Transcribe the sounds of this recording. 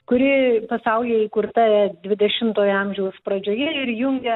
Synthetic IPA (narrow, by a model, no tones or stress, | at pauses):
kʊɾʲɪpɐsɐʊlʲeːikʊrt̪ɐɛd̪ʲʋʲɪd̪ʲɛʃʲɪmt̪oːjɐmʲʒʲɛʊspɾɐd͡ʒʲoːjɛɪɾjʊŋʲɡʲɛ